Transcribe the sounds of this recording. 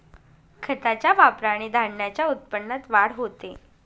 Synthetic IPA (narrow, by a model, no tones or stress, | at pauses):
kʰət̪at͡ɕjaʋapɾaɽ̃id̪ʱaɽɳjat͡ɕjaut̪̚pəɳːət̪ʋaɽɦot̪e